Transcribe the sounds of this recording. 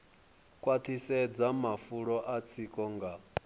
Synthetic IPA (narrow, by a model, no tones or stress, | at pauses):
kʼwat̪ʰisɛd͡zamafuɺɔʔat͡sʰikʼɔŋɡa